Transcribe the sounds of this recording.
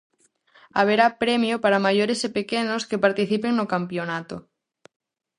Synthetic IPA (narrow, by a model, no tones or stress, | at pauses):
a̰β̞eɾapɾemjopaɾamajoɾesepekenoskepaɾt̪iθipeŋnokampjonat̪o